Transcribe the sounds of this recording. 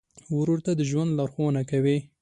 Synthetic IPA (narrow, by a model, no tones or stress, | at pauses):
ʊɾuɾt̪ad̪əʒwand̪laɾxonakawi